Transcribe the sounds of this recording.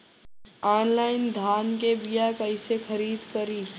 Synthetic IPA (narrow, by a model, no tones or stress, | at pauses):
ɔːnlaːɪnd̪ʱaːnkebijakɐɪsexɐɾiːd̪kəɾiː